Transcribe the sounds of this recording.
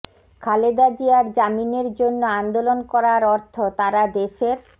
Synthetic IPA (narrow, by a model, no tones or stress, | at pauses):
kʰaled̪ad͡ʑiaɾd͡ʑamineɾd͡ʑonːoand̪olonkɔɾaɾɔɾt̪ʰot̪aɾad̪eʃeɾ